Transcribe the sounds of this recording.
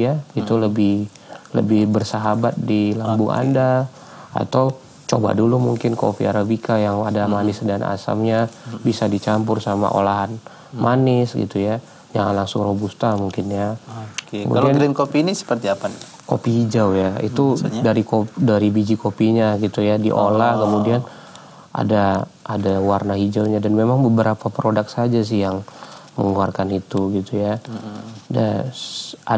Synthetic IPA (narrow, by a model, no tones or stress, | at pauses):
jait̪uləbɪh | lə̰bɪhbərsaɦabat̪̚dilambʊŋʔa̰nda | a̰t̪aw | t͡ʃoba̰dulumuŋkɪnko̰fiaɾabikajaŋadamanɪsdana̰sa̰mɲabisadit͡ʃamp̬ʊrsama̰ʔo̰laɦan | mʔanɪsɡḭt̪uja | d͡ʒaŋanlaŋsʊŋrobust̪amuŋkɪnjakə̰mṵaldianɡɾinkopiːnisə̥pərt̪iapan | ko̰pihid͡ʒawjaḭt̪udaɾikodaɾibid͡ʒikopiɲaɡit̪ujadḭʔolahkəmudian | ʔa̰daʔːdawarnaɦid͡ʒawɲadanmemaŋbəbəɾapapɾodak̚sad͡ʒas̬ɪhjaŋmə̰ŋuarkanit̪uɡit̪uja | da̰ | ʔa